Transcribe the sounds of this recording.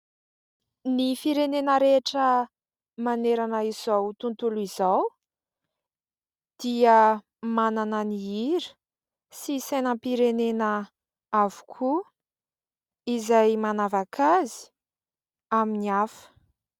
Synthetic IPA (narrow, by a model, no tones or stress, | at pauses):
nifiɾenenəɾeʈ͡ʂə | maneɾanəiz̥awt̪unt̪uluizaw | d̪̥iə | mananəniiɾi̥ | sisajnəmpiɾenenə | avu̥kʰu | izajmanavakʰazi̥ | aminiafə̥